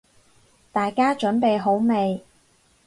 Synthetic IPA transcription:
t̪aː˨˩jkaː˥t͡ʃɵ˨˥npe˨jɦo˨˥wme˨˧j

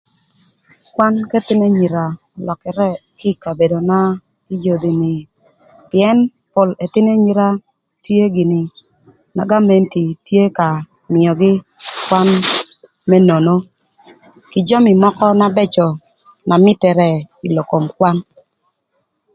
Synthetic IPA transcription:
kwa˦nkɛ˦t̪ɪ˦nɛ˦ɲi˨ɾa˨ | lɔ˨kɛ˨ɾɛ˦kɪ˦ka˨be˨do˨na˦ | i˦jo˨d̪i˨nɪ˨ | pɪɛ˦n | po˨le˨t̪ɪ˦ne˦ɲi˦ɾa˦ | tje˦ɡɪ˨nɪ˨ | na̰˨ɡa˦me˨nti˨tje˦ka˨ | mɪɔ˨ɡɪ˦kwa˦n | mɛ˦no˨no˦ | kɪ˨d͡ʒɔ˦mi˨mɔ˦kɔ˦na˦bɛ˦t͡ʃɔ˨ | na˨mɪ˦tɛ˨ɾɛ˦i˨lo˨ko˨mkwa˦n

